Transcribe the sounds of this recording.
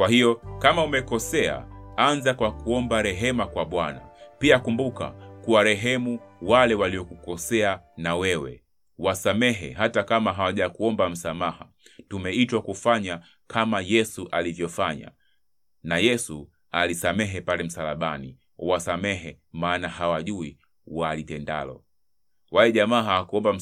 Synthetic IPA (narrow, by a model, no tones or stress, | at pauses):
kwahijɔkamaumɛkɔsɛa̰anzakwakuɔmbaɾɛɦɛmakwaɓwana̰piakumbuka̰kuwaɾɛɦɛmuwalɛwaliɔkukɔsɛanawɛwɛ̰ | wasamɛɦɛ̰ɦatakamaɦawaʄakuɔmbam̩samaha | tumɛitwakufaɲa | kʰamajɛsuʔalivjɔfaɲa̰ | najɛsu | alisamɛɦɛpalɛm̩salaɓani | wasamɛɦɛ | maːnahawaʄui | walitɛnda̰lɔ̰ | walɛʄamaːɦaakuɔmbam̩